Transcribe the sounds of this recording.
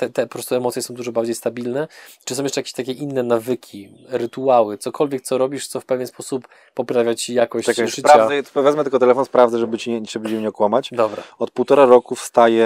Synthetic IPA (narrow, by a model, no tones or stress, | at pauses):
t̪ɛt̪ɛpɔpɾɔst̪uɛmɔt̪sʲjɛsɔ̃w̃d̪uʐɔbaɾd͡ʑejst̪abʲilnɛt͡ʂɨsɔ̃w̃jɛt͡ʂɛjakʲe̥ɕt̪akʲɛʔinːɛnavɘkʲʰi | ɾɘt̪uawɘt̪sɔkʰɔlvʲɛk̚t̪sɔɾɔbʲiʂt̪sɔfpɛvʲjɛnspɔsupː | ɔpɾavʲjat͡ɕijakɔɕt̪at͡ɕsɘpɾt͡ɕɾavavaɛpɔvʲɛd̪mɛt̪ɘlkɔt̪ɛlɛfɔnspɾavd̪ɛʐɛbɘt͡ɕiʐɛbɘjɛɲɛɔkwamat͡ɕd̪ɔbɾa̰ɔt̪̚puwt̪ɔɾaɾɔkufst̪ajɛ